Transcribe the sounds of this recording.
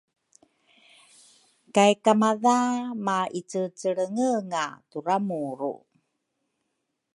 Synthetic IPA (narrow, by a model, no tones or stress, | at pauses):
kajkamaðamait͡sət͡səɭəŋəŋaturamuɾṵ